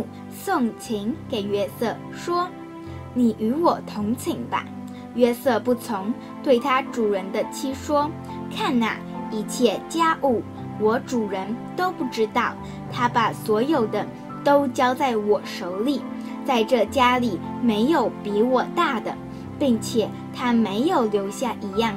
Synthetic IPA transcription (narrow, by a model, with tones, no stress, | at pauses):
sʊ˥˩ŋt͡ɕʰi˧˥ŋke˨˩ɪɥɛ˥sɤ˥˩ | ʂwɔ˥ | ni˨˩ʔy˧˥wɔ˨˩t̪ʰʊ˧˥ŋt͡ɕʰi˨˩˦ŋba̰˦ | ɥɛ˥sɤ˥˧pu˥˩t͡sʰʊ˧˥ŋ | t̪we˥˩ɪt̪ʰa˥ʈ͡ʂu˨˩ɻə˧˥nd̪ə˧t͡ɕʰi˥ʂwɔ˥ | kʰa˥˩nna̰˨˩i˨˩t͡ɕʰjɛ˥˩t͡ɕja˥ʔu˥˩ | wɔ˧˥ʈ͡ʂu˨˩ɻə˧˥nt̪o˥ʊpu˥˩ʈ͡ʂɻ̩˥t̪ɑ˥˩ʊ | t̪ʰa˥pa˨˩swɔ˧˥jo˨˩ʊd̪ə˦ | t̪o˥ʊt͡ɕjɑ˥ʊt͡sa˥˩ɪwɔ˨˩ʂo˧˥ʊli˨˩ | t͡sa˥˧ɪʈ͡ʂɤ˥˩t͡ɕja˥li˨˩ | me˧˥ɪjo˨˩˦ʊpi˧˥wɔ˨˩t̪a˥˩d̪ə̰˩ | pi˥˩ŋt͡ɕʰjɛ˨˩ | t̪ʰa˥me˧˥ɪjo˨˩ʊljo˧˥ʊɕja˥˩ʔi˧˥jɑ˥˩ŋ